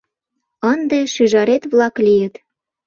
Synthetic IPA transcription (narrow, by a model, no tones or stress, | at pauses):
ənd̪eʃyʒɑɾet̪βlɑklijət̪